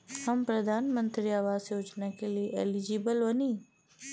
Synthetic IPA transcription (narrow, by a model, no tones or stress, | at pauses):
həmpɾəd̪ʱanmənt̪ɾijaʋasjoːd͡ʒnakeliʔelid͡ʒibəlʋəni